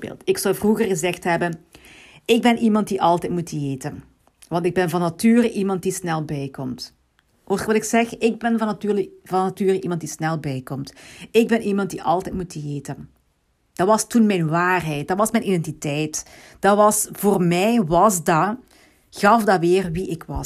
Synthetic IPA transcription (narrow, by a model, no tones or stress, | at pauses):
bḛːlˠtɪksɔwvruɣərɣəzɛxtɦɛbən | ɪɡ̚bɛnʔimɑnt̚diʔɑlˠtɛtmutəeːtən | ʋɑntɪɡ̚bɛnvɑnːatyːrəʔimɑnt̚disnɛlˠbɛjkɔmt | ʔoʋɑlɪksɛxɪɡ̚bɛnvɑnɑtyːrləvɑnatyːɾəʔimɑnt̚disnɛlˠbɛjkɔmtɪɡ̚bɛnʔimɑnt̚diʔɑlˠtɛjtmutəeːtən | d̥ɑʋɑstunmɛjnʋaːrɦɛjt̚dɑʋɑsmɛjnʔidɛntitɛjt | d̥ɑʋɑsvoːrmɛjβɑzdɑ | ɣɑfdɑʋɪːrʋiʔɪkwɑ